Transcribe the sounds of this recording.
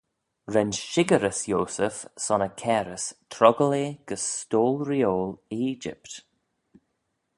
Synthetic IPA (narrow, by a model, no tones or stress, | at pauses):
ɹɛnʃɪɡəɾəsjoːsəfsɔnəkʰɛːɾəstʰɾɔɡəleːɡ̥əsstoːlɹioːliːd͡ʒɪ̰pt